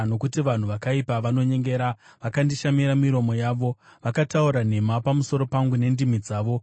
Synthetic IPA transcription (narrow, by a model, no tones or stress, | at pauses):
no̞kutiʋan̤uʋakaipaʋano̞ɲe̞ŋɡe̞ɾaʋakandiʃamiɾamiɾo̞mo̞jaːʋo̞ʋakatauɾane̞mapamuso̞ɾo̞paŋɡune̞ndimid͡zaːʋo̞